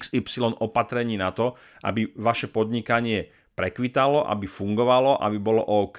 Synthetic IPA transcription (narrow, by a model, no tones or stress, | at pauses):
ksipsilɔnɔpat̪ɾɛɲiːnat̪ɔ | ʔa̰biʋaʃɛpɔd̪ɲikaɲɪɛ | pɾɛkʋit̪alɔʔa̰bifuŋɡɔʋalɔʔa̰bibɔlɔ̰ʔɔk